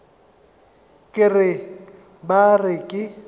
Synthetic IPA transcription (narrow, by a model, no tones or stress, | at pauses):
kʼɪrɪ | barɪkʼɪ